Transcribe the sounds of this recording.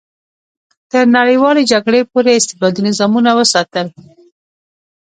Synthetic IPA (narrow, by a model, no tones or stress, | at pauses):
t̪əɾnaɽəjwɑled͡ʒaɡɽepoɾeɪst̪ɪ̥d̪ɑd̪unɪzɑmunawəsɑt̪əl